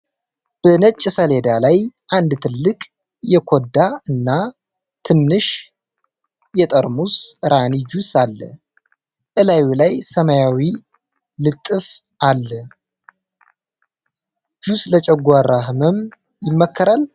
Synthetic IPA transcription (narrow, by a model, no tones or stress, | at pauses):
b̥ənət͡ʃʼːsəled̪alajʔand̪t̪ʰɨlːɨkʼ | jɛkʰod̪aɨnːa | t̪ʰɨnːɨʃ | jɛt̪ʼəɾmusɾanid͡ʒusalːə̰ | ʔɨlajwilajsəmajawi | lɨt̪ʼːɨf | ʔalːə | d͡ʒuslət͡ʃʼɛɡʷaɾahməm | jɪmːəkːəɾal